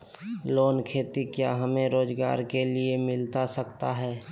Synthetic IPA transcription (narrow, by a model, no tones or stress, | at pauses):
loːnkʰeːt̪ikjaɦəmẽɾoːd͡ʒɡa̰ːɾkeliemɪlt̪asəkt̪aɦɛː